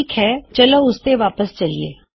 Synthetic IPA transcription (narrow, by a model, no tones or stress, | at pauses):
ikɦɛt͡ʃɐloʊst̪eʋaːpəst͡ʃɐliḛː